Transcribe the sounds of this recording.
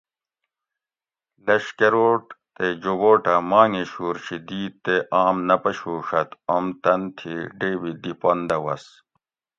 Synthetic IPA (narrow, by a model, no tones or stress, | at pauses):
lɐɕkeɾoːʈt̪ed͡ʑowoːʈɐmaːŋeɕuːɾɕid̪iːt̪ːeʔaːmnɐpɐɕuːʂɐt̪omt̪ɐnt̪ʰiɖeːwid̪ipond̪ɐwɐ̰s